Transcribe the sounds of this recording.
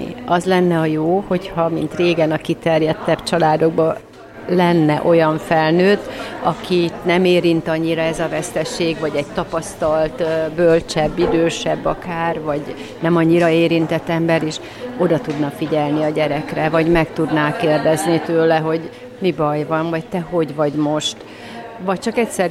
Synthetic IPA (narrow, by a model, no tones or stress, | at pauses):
ḭɒzlɛnːɛɒjoːho̞chɒmint̪reːɡɛnɒkit̪ɛrjɛt̪ːɛb̥t͡ʃɒlaːd̪o̞ɡ̚bɒ | lɛnːɛʔo̞jɒɱfɛlnøːt̪ɒkʰinɛmeːɾint̪ɒɲːiɾɒɛzɒvɛst̪ɛʃeːɡvɒɟɛɟt̪ɒpɒst̪ɒlt̪bølt͡ʃɛbːid̪øːʃɛbːɒkaːrvɒɟ | nɛmɒɲːiɾɒeːɾint̪ɛt̪ːɛmbɛɾeːʃ | o̞d̪ɒt̪ud̪nɒfiɟɛlniɒɟɛɾɛkrɛvɒɟmɛkt̪ud̪naːkeːrd̪ɛznit̪øːlɛɦo̞ɟ | mibɒjvɒnvɒct̪ɛɦo̞ɟvɒɟmo̞ʃt̪ | vɒc̚t͡ʃɒkɛcsɛr